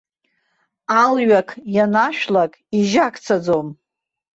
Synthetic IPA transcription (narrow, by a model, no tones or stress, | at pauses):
alɥakʰjanaʃᶣlakʼiʒakʰʼt͡sʰad͡zom